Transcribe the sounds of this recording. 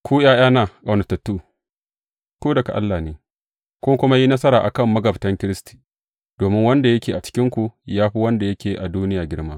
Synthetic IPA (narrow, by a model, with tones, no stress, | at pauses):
kʷʰuː˦j̰aː˦j̰aː˦naː˨kʼɐ˨nɐ˨tɐ˨tːuː˦ | koː˦dɐ˨ka̰˨ʔa˦lːaː˨neː˨ | kʷʊ˦kʷʊ˦ma˦ji˦nɐ˦sɐ˦ɾaː˨ʔa˨kɐ˦˨mːɐ˦ɡɐ˨btɐ˦ŋkʲɪ˦ɾɪ˦sti̥ː˨ | d̥oː˨mɪ˦ŋwɐ˦nda˨jɐ˦kʲeː˨ʔa˨t͡ʃɪ̥˦kʲɪ˦ŋkʷu˨jaː˦ɸi˦wɐ˦nda˨jɐ˦kʲeː˨ʔa˨duː˦nɪ˦jaː˨ɡʲɪ˦ɽma˦